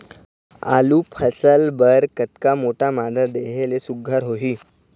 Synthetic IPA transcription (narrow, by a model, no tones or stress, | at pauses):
a̰luːpʰəsəlbəɾkət̪kamoʈamad̪ʱəd̪eɦelesuɡʱaɾɦoɦiː